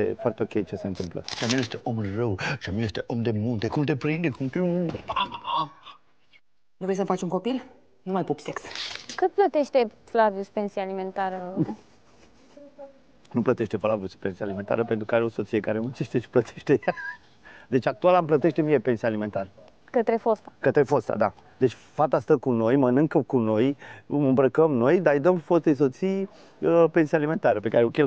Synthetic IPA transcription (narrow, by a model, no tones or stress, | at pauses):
efoart̪eo̞kʲejt͡ʃeseɨnt̪ɨmplə̰ʃiamianjest̪eʔomrəwʃiamʲianjest̪eʔomd̪e̞munt̪ekumt̪epɾind̪ekumt̪eu | nuvɾejsəmfat͡ʃʲunŋko̞pil | numajpopsekskɨt̪̚plət̪eʃt̪eflavijuspensialimẽnt̪aɾə | nuplət̪e̞ʃt̪e̞flaviusu̥pensialime̞nt̪a̰ɾəpent̪ɾukəaɾeo̞so̞t̪sije̞kaɾemɨnt͡ʃe̞ʃt̪eʃi̥plət̪ʰeʃt̪eja | d̪e̞t͡ʃʲak̚t̪ualamplət̪e̞ʃt̪emijepe̞nsijalime̞nt̪aɾə | kət̪ɾefost̪ḁkət̪ɾe̞fo̞st̪a̰d̪a | d̪et͡ʃʲ | fat̪ast̪əkuno̞jmənɨŋkəkuno̞jmɨmbɾəkəmno̞jd̪aɨjd̪əmfost̪eso̞t̪sij | əpensialime̞nt̪aɾəpe̞kaɾeokʲel